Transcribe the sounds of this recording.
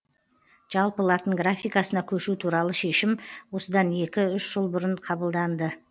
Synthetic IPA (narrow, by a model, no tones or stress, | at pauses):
ʒ̥ɑlˠpəlˠɑt̪əɴɡɾafʲijkɑsənɑkʲʰɵʃut̪ʰuɾɑlˠəʃe̞ʃɪmwo̞səd̪ɑne̞kʲɪʏʃʒ̥əlˠbʊɾəɴqʰɑbəlˠd̪ɑnd̪ə